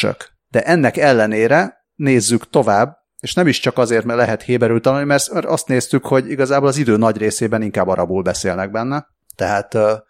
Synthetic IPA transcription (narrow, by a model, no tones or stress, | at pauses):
ø̰k | d̪̥ɛʔɛnːɛkɛlːɛneːɾɛ | neːzːykt̪o̞vaːbː | eːʃnɛmiʃt͡ʃɒkɒzeːrt̪mɛlɛɦɛt̪heːbɛɾylt̪ɒnulnimɛrt̪mɛrɒst̪neːst̪ykho̞ɟiɡɒzaːboːlɒzid̪øːnɒɟreːseːbɛniŋkaːbːɒɾɒbuːlbɛseːlnɛɡ̚bɛnːɛ | t̪ɛɦaːt̪ː